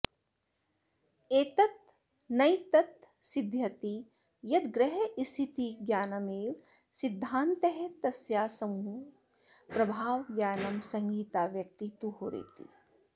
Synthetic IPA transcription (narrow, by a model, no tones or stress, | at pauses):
eːt̪ɐt̪̚ | nɐjt̪ɐt̪ | sid̪ʱjɐt̪i | jɐd̪ɡɾɐɦeist̪ʰit̪iɡjaːnɐmeːʋ | sid̪ʱːaːnt̪ɐɦet̪ɐsjaːsɐmuː | pɾɐbʱaːʋɡjaːnɐmsɐ̃ŋɡiːt̪aːʋjɐk̚t̪it̪uɦoːɾḛːt̪ḭ